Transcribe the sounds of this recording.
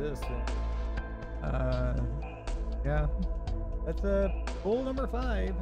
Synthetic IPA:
ɪstɨ̰̃n | ʔʌ | jæ | ðætsʌfʊlˠnʌ̃mbə˞faɪv̥

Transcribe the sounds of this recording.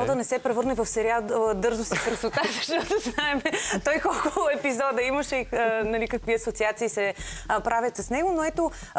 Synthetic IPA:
d̪ɐnɛsɛpɾɛvɤɾnɛvɐfsɛɾiad̪ɤɾzʊsikɾɐsot̪azɐʃt̪ɔt̪oznaɛmɛt̪ɔjkɔlˠkʊlˠʊɛpizɔd̪əiməʃɛnɐlikɐkviɐsot̪siat̪siːsɛpɾʔavʲjət̪sɐsnɛɡonoɛt̪o

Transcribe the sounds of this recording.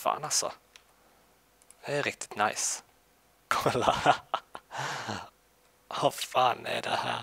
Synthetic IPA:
fɑ̰ːnɑlsɔ̰ | ɛɛɾɪk̚t̪ʰɪ̥t̪naɪs | kʰɔlɑ | ɔfɑːnɛ̰d̪ɛ̰hæ̰ː

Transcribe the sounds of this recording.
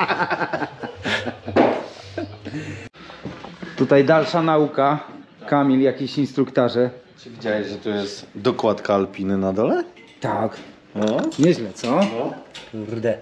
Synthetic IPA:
t̪ut̪ajd̪alʂanauka | kamʲiljakʲiɕinst̪ɾukt̪aʐɛt͡ʂɘvʲid͡ʑawɛʑʐɛt̪ɔjɛst̪d̪ɔkwat̪kaːlpʲinɘnad̪ɔlɛ | t̪ak | ɔɲɛʑlɛt̪sɔnɔkuɾd̪ɛ

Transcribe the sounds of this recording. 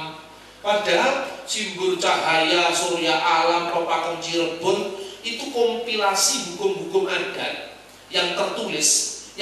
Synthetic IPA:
paɖ̥a̤simbʊrt͡ʃaɦajasoɾjaʔalamrɔpakənt͡ʃiɾəb̥ʊrʔit̪ukɔmpilasiɦukʊmɦukʊmʔaɡ̥a̤t̪̚ | jaŋt̪ərt̪ulɪs

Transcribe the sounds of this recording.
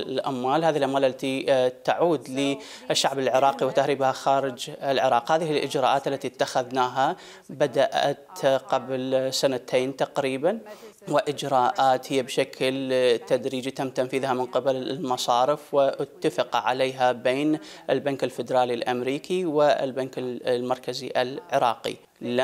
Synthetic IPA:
lʔamːaːlhaːðilʔamwaːlʔalːat̪it̪aʕuːd̪li | ʔɪʃːaʕbɪlʕɪɾˤɑːqiwɪt̪ahɾiːbhaxaːɾɪd͡ʒɪlʕɪɾˤɑːqhaːðɪhɪlʔɪ̰d͡ʒɾˤɑ̰ːʔaːt̪alːat̪it̪ːaxaðnaːɦa | bad̪aʔa̰t̪qablsanat̪ʰeːnt̪aqɾiːban | wɪʔɪd͡ʒɾˤɑːʔaːt̪hɪjːabʃakʰlt̪ad̪ɾiːd͡ʒat̪amt̪anfiːðhamɪnqɪballmɑsˤɑːɾɪfwɪʔt̪ːafɪqʕa̰leːɦabeːnʔɪlbaŋkɪlfɪd̪ɾˤɑːlilʔamɾiːkʰiwɪɪ̰lbankɪlmɑɾˤkaziʔɪlʕɪɾˤɑːqḭ | l

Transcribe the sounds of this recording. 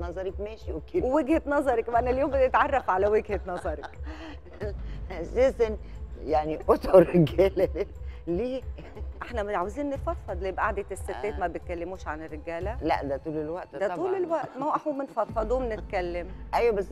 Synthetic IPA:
nɑzˤɑɾˤɑkmæːʃiwekːeːweweɡhet̪nɑzˤɑɾˤɑkwæʔænæljoːmbed̪et̪ʕɑrˤːɑfʕalæweɡhet̪nɑzˤɑɾˤɑk | æseːsænjaʕniʔot̪oɾeɡæːlæleliː | ʔeħnæmet̪ʕaweziːnːet̪fɑt̪ˤfɑd̪ˤlijebæʔaʕd̪et̪esːet̪ːeːt̪mæbet̪̚kælːemuːʃʕanerːeɡæːlælæ̰ʔd̪æt̪ˤuːlelwæʔt̪d̪æuːlelwæʔt̪mæwʔɑħumenfɑt̪ˤfɑd̪ˤuːmnet̪̚kælːemʔæjwæbæsː

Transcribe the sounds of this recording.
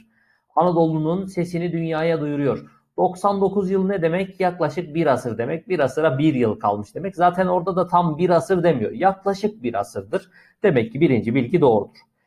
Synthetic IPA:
anad̪o̞lˠununse̞sinid̪ynjaːjad̪ujuɾujo̞ɾ | d̪̥o̞ksand̪o̞kuzjɯlˠnɛd̪e̞mɛcjaklˠaʃɯk̚biɾasɯɾd̪e̞mɛc̚biɾasɯɾabiɾjɯlˠkʰa̰lˠmɯʃd̪e̞mɛczaːt̪ʰæno̞ɾd̪ad̪at̪ʰambiɾasɯɾd̪e̞mijo̞̰ɾjaklˠaʃɯk̚biɾa̰sɯɾd̪ɯɾ̥ | d̪̥e̞mɛcːibiɾind͡ʒibilʲɟid̪o̞ːɾud̪uɾ̥

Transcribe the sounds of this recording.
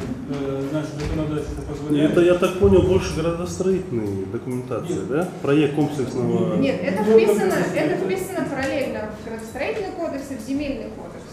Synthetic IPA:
əznaɪʂzəkənɐd̪atʲɪt̪əpəzvɐlɛt̪əjat̪ak̚ponʲɪlˠbo̞lʲʂɨɡəɾəd̪əst̪ɾɐitʲɪlʲnəjd̪əkʊmʲɪnt̪at̪sɨɪd̪apɾɐjekkomplʲɪksnəvənʲet̪ɛt̪əvmʲeɪnəɛt̪əvʲesʲt̪ʲvɪnəpəɾɐlʲelʲnəvɡəɾəd̪əst̪ɾɐitʲɪlʲnɨjkod̪əksɨvzʲɪmʲelʲnɨjko̰d̪əks

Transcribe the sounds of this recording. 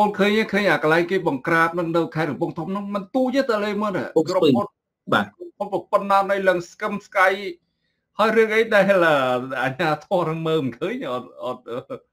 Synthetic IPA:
oːnkʰəːɲakʰəːɲʔakəlaɛŋkeːɓɑŋkraːp̪̚nɨŋnɨwkʰaɛt̪̚rɔɓuəŋt̪ʰumnɨŋmɨnt̪uət͡ɕət̪əleːməːna̰kroon | ɓa̰ːkropʰonpɑpənːaːnɨwləŋskəmskaj | haəjrɨəŋʔəjɗaɛləːʔaɲaːt̪ʰɔənɨŋməːmɨnkʰəːɲʔɑt̪̚ʔɑt̪̚ʔəː

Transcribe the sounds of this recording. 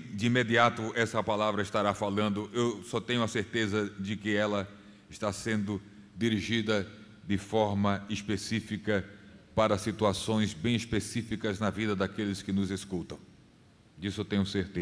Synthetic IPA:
d͡ʒ̪ɪĩmed̪iat̪ʊɛsɐpalavɾɐɪst̪aɾafalɐ̃nd̪ʊʔewsɔt̪ẽɲʊɐseɾt̪ezɐd͡ʒɪkɪɛlɐ | ɪʃt̪asẽnd̪ʊ | d̪iɾiʒid̪ɐ | d̪ɪfɔɾmɐespesifikɐpaɾɐsit̪uasõj̃zbẽj̃ispesifikɐznɐvid̪ɐd̪akelɪskɪnʊzeskut̪ɐ̃w̃ | d͡ʒ̪isʊewt̪ẽɲʊseɾt̪e

